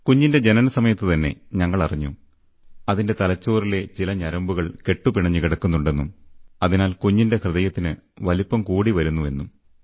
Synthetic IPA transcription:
kuɲːinde̞d͡ʑe̞nɐnɐsɐmɐjɐt̪ːɨt̪ɐnːe̞̰ɲɐŋːɐɭɐriɲːu | ɐðinde̞t̪ɐlɐt͡ɕːoːrile̞t͡ɕilɐɲɐɾɐmbuɣɐɭke̞ʈːupiɳɐɲːɨkiɽɐkːunːuɳɖe̞nːumɐðinaːlkuɲːinde̞krɨðɐjɐt̪ːinɨʋɐlipːɐmkuːɽiʋɐɾunːue̞̰nːum

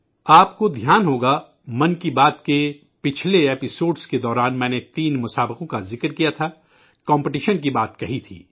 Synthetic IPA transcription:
aːpkod̪ʱjaːnɦoːɡa | mɐnkibaːt̪ke | pɪt͡ʃʰleeːpɪsoːɖsked̪ɔːɾaːnmɛ̃ːnet̪iːnmʊsaːbɪqõkazɪkɾkijat̪ʰa | kɔ̃ːmpɪʈiʃənk̬ibaːt̪kɐɦit̪ʰḭː

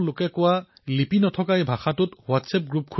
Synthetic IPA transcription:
lʊkɛkʊwa | lipinɔtʰɔkajbʱaxatʊtwatsɛp̚ɡɹup̚kʰ

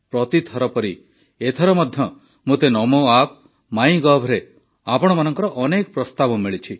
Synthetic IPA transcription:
pɾɔt̪it̪ʰɔɾɔpɔɾi | et̪ʰɔɾɔmɔd̪ʱjɔ | mot̪enɔmoap̚ | maĩɡɔbʱɾe | apɔɽ̃ɔmanɔŋkɔɾɔʔɔnekɔpɾɔst̪abɔmiɭit͡ʃʰi

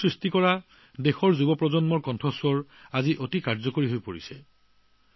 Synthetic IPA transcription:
sɹistikɔɹa | dexɔɹzubɔpɹɔzɔnmɔɹkɔntʰɔswɔɹ | aziʔotikaɹzɔkoɹiɦojpoɹisɛ

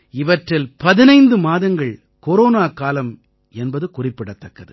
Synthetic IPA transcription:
ɪʋɐʈrɪlpɐðɪnɐɪnd̪ɯmaːðɐŋɡɐɭ | koɾoːnaːkaːlɐm | ɛnbɐðɯkʊrɪpːɪɽɐt̪ːɐkːɐðɯ̰

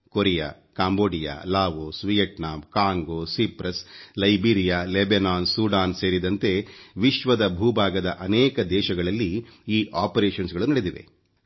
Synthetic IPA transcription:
koɾija̰ː | kaːmboːɖija̰ːlaːʋosʋijɐʈnaːmkaːŋɡoːsipɾɐslɐjbiːɾijaːlebenaːnsuːɖaːnse̞ːɾid̪ɐnt̪e̞ʋiʃʋɐd̪ɐbʱuːbʱaːɡɐd̪ɐʔɐnɛːkɐd̪ɛːʃɐɡɐɭɐlːiiːʔaːpɐɾeːʃɐnsɡɐɭunɐɽed̪iʋḛ

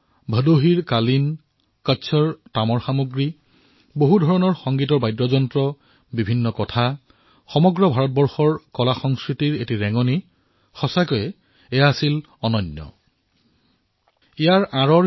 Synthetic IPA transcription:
bʱədoɦiɹkalin | kətːsʰɔɹtamɔɹxamuɡɹi | boɦudʱɔɹɔnɔɹxɔŋɡitɔɹbajdɹɔzɔntɹɔ | bibʱinːɔkɔtʰa | xɔmɔɡɹɔbʱaɹɔt̚bɔɹxɔɹkɔlaxɔŋskɹitiɹetiɹɛŋɔni | xɔsakɔjɛ | ɛjaːsil | ɔnɔnjɔ̰ | ijaɹãɹɔ

